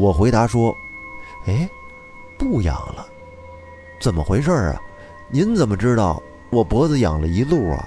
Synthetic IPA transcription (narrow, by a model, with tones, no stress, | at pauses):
wɔ˨˩xwe˧˥ɪt̪a˧˥ʂwɔ˥ | e˧˥ɪ | pu˥˩jɑ̰˨˩ŋlə˦ | t͡sə˨˩nmə̰˦xwe˧˥ɪʂə˥˩ə̰˩ | ni˧˥nt͡sə˨˩nmə˦ʈ͡ʂɻ̩˥t̪ɑ˥˩ʊ | wɔ˨˩pwɔ˧˥d͡z̩˧jɑ̰˨˩ŋlə˦i˧˥lu˥˩ə̰˩